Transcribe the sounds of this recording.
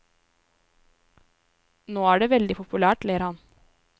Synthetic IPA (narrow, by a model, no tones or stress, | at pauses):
noːæːɖeːʋɛld̪ɪpʰʊpʉlæːʈleːəɾhɑn